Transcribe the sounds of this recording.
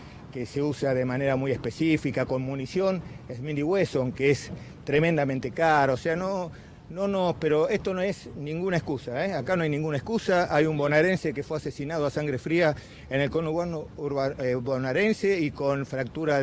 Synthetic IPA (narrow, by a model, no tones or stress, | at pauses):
keseusaðe̞mane̞ɾamuje̞hspesifikako̞nmunisjo̞nesmĩnd̪iɣwesoŋkees | t̪ɾemẽnd̪amẽnt̪ekaɾaoseano | nonopeɾo̞est̪onoesnĩŋɡunaeskusaeakanoajnĩŋɡunaeskusaajumbo̞naɾensekefweasesinað̞oasaŋɡɾefɾia | ene̞lkonoβanouɾβaβonaɾenseikonfɾak̚t̪uɾa